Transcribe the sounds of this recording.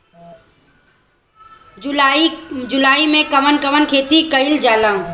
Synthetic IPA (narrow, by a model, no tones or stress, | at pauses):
aid͡ʒʊlaːimẽkəmənkəʋənkʰeːt̪ikəɪld͡ʒaːlã